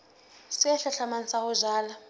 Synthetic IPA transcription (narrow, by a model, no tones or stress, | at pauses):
siaɬɛɬamansahʊʒaːla